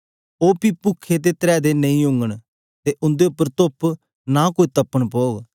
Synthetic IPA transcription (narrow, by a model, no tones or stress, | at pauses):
oːpipʊkʰːet̪̬et̪əɾɛːd̪enɐĩʊ̃ŋɡəɽ̃ | t̪eʔʊ̃nd̪eʊpːəɾt̪op | naːkoːit̪ɐpːəɽ̃poːɡ